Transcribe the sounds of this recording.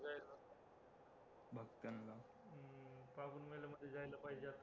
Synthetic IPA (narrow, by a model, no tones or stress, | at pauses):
d͡zajla | bʱəɡt̪ənla | pabuːnmelaməd̪ʱːjed͡zajlapaid͡ʑat̪o